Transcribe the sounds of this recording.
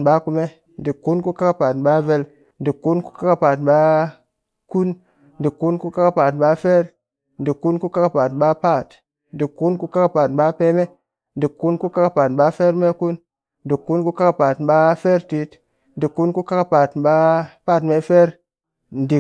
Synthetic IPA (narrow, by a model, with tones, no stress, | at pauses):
ɓa˦ku˨me˦ | n˨di˨kːu˦nku˦ka˦ka˦pa˨tɓa˦ve˦l | n̩˨di˨kːu˦nku̥˦ka˦ka˦pa˨tɓa˦ | ku˦n˨ | di˨kːu˦nku˦ka˦ka˦paː˨tɓa˦fe˦ɾ | n˨di˨kːu˦nku˦ka˦ka˨pa˨tɓa˦pa˦˨t | n˦di˨kːu˦nku˦ka˦ka˦paː˨tɓa˦pe˦me˦ | n˨di˨kːu˦nku˦ka˦ka˦pa˨tɓa˦fe˦ɾme˦ku˦n | n˦di˨kːu˦nku˦ka˦ka˦pa˨tɓa˦fe˦ɾti˦t | n̩˨di˨kːu˦nku˦ka˦ka˦pa˨tɓa˦pa˦˨tme˦fe˦ɾ | n˨di˨